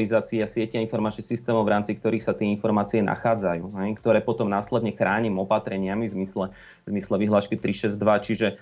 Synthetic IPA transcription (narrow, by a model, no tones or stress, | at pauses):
lizaːt͡siasɪɛciainfɔɾmaːt͡ʃːsist̪ɛːmɔʊɾaːmt͡sik̚t̪ɔɾiːxsat̪ɪɛinfɔɾmaːt͡siɛna̰xaːd͡zajṵːɦɛjkt̪ɔɾɛːpɔt̪ɔmnaːslɛd̪ɲɛxɾaːɲimɔpat̪ɾɛɲɪamivzmislɛ | zmislɛʋiɦlaːʃkit̪ɾiʃɛzd̪ʋat͡ʃiʒɛ